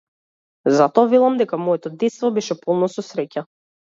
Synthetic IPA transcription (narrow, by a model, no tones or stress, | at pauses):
zat̪ɔavɛlˠamd̪ɛkamɔɛt̪ɔd̪ɛt̪st̪vɔbɛʃɛpɔlˠnɔsɔsɾɛca